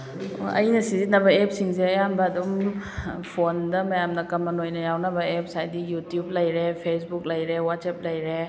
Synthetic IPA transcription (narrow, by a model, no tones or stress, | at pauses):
ɐ̰jnɐsizitnɐbɐepsiŋseɐjambɐːdum | pʰondɐmɐjamnɐkɐmːɐnojnɐjawnɐbɐep̚sajdijutjublɐjɾepʰes̬buk̚lɐjɾewatsep̚lɐjɾe